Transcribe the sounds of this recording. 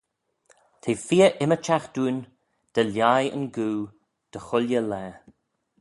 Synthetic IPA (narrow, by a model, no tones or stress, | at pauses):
t̪ʰeːfiːəʔɪmət͡ʃaxd̪̥uːn | d̪̥əljajə̰nɡuː | d̪̥əxʊlʲjəlɛː